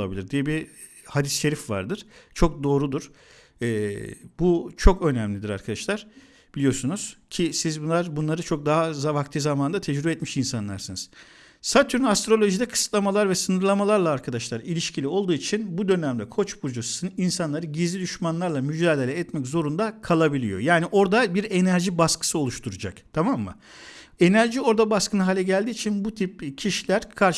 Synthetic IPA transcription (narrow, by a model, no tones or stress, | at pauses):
lˠabilʲiɾd̪ijɛbi | had̪isʃe̞ɾifva̰ɾd̪ɯɾ̥t͡ʃʰo̞k̚d̪o̞ːɾud̪uɾ̥ | ɛːbut͡ʃʰo̞kø̞næmlʲid̪iɾa̰ɾkʰad̪aʃlˠaɾ̥ | b̥ilʲijo̞ɾsunuz̥cʰisizbunlˠaɾbunlˠaɾɯt͡ʃʰo̞k̚d̪aɦazavakt̪ʰɯːzamaːnd̪at̪ʰɛd͡ʒɾybɛt̪miʃinsanlˠaɾsɯnɯz̥ | sat̪ʰyɾynast̪ɾo̞lʲˠo̞ʒid̪ɛkʰɯ̥sɯ̥t̪lˠamalˠaɾvɛsɯnɯɾlˠamalˠaɾlˠaːɾkʰad̪aʃlˠaɾilʲiʃcʰilʲio̞lˠd̪uːit͡ʃʰinbud̪ø̞næmd̪ʲɛkʰo̞t͡ʃbuɾd͡ʒusinsanlˠaɾɯɟizlʲid̪yʃmanlˠaɾlˠamyd͡ʒaːd̪e̞lʲɛːt̪mɛczo̞ɾund̪akʰalˠabilʲḭjo̞̰jaːniʔo̞ɾd̪abiɾe̞næɾʒibaskɯ̥sɯo̞lˠuʃt̪ʰuɾad͡ʒa̰kt̪ʰamamːɯ̰ | e̞næɾʒio̞ɾd̪abaskɯnɯɦaːlʲɛɟælʲd̪iːt͡ʃʰinbut̪ʰip̚cʰiʃilʲæɾkʰaɾʃ